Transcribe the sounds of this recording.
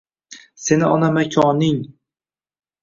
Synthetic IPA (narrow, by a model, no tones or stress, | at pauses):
se̞nɪɒnamakʲʰɒnɪŋ